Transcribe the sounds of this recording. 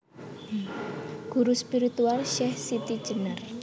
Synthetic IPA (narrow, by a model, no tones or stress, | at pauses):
ɡ̥uɾuspiɾit̪ualʃɛhsit̪i̥ʒ̥ənər